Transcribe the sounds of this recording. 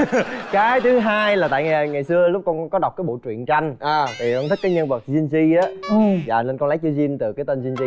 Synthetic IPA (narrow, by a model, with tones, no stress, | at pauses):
kaː˨˦jt̪ʰɨ˨˦ɦaː˧jlaː˨˩t̪a̰ː˧˨jŋa˨˩ŋa˨˩jsɨ˧əlʊ˦˥k͡p̚kɔ˧nkɔ˨˦ɗa˨˩w̚k͡p̚kaː˨˦jɓo̰˧˨t͡ɕwḭ˧˨ənt͡ɕa˧jŋ̟ʔaː˨˩t̪ʰi˨˩ʔɔ˧nt̪ʰi˦˥kaː˨˦jɲə˧nvə˨˩t̚zi˧nzi˧ʔaː˨˦˧za̰ː˨˩ne˧nkɔ˧nla˨˦jt͡ɕɨ˧zi˧nt̪ɨ˨˩kaː˨˦jt̪o˧nzi˧nzi˧